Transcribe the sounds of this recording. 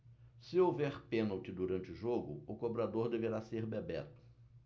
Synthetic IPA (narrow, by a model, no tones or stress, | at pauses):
sɪowvɛɾpẽnɐwt͡ʃɪd̪uɾɐ̃nt͡ʃɪʊʒoɡʊ̰ʊkobɾad̪oɾd̪eveɾaseɾbebɛ̰t̪ʊ̥